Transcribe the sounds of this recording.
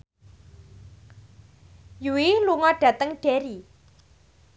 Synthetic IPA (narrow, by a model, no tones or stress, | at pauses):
juwiluŋɔɖ̥a̤t̪əŋɖ̥eɾi